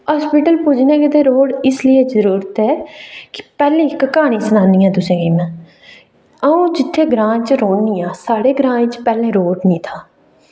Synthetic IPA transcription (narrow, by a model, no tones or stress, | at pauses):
aːspɪʈəlpʊd͡ʒnɛ̃ːkɪt̪ẽːɾoːɖɪslɪeːzəɾuːɾət̪ɛːkɪ̥pɛːlẽːkəkaːɽ̃ĩːsənãːniːãːt̪ʊsẽːɡiːmɛ̃ː | əũːd͡ʒɪt̪ʰːeːɡɾãːt͡ʃɾoːnĩːaːsaːɽeːɡɾãːt͡ʃpɛːlẽːɾoːɖnĩːt̪ʰaː